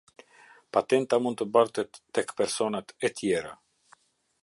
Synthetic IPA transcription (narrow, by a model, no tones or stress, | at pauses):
pat̪ɛnt̪amunt̪t̪əbaɾt̪ɛt̪ːɛkpɛɾsɔnat̪ɛt̪ʰjɛɾa̰